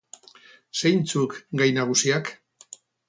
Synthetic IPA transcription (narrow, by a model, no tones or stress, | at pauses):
sejnt͡sukɡajnaɣ̞usiak